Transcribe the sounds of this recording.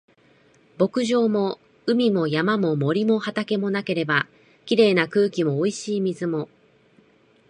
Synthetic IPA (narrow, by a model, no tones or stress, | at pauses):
b̥o̞kɯ̟ʑo̞ːmo̞ | ɯ̟mʲimo̞jamamo̞mo̞ɾʲimo̞hat̪ake̞mo̞nake̞ɾe̞ba | kʲiɾe̞ːnakɯ̟ːkʲimo̞ːiɕiːmʲizɨmo̞